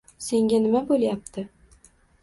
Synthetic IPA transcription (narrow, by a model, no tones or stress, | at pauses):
se̞ŋɡʲanɪmabolˠjap̚t̪ʰɪ